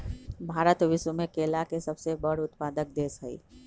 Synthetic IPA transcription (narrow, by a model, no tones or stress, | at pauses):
bʱaːɾət̪ʋɪswəmẽkeːlakesɐbsebɐɽʊt̪paːd̪ək̚d̪eːsəḭː